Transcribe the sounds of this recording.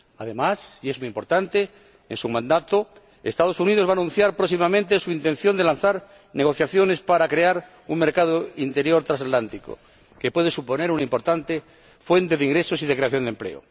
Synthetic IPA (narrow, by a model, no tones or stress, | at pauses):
aðe̞masiezmujimpo̞ɾt̪ant̪e | ḛnsumãnd̪at̪o | est̪að̞o̞suniðozβaːnũn̟θjaɾpɾosimamẽnt̪esuint̪en̟θjo̞nd̪elan̟θaɾ | neɣ̞o̞θjaθjo̞ne̞spaɾakɾeaɾ | uŋmeɾkað̞oint̪e̞ɾjoɾt̪ɾas̬at̪lant̪iko̰ | kepwe̞ðe̞supo̞ne̞ɾunaimpo̞ɾt̪ant̪e | fwe̞nt̪e̞ðeiŋɡɾesosið̞ekɾeaθjo̞nd̪emple̞̰o̰